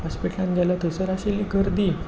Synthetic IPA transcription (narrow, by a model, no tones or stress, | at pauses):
hɔspiʈlãnd͡ʑalat̪əsəɾaɕilikəɾd̪i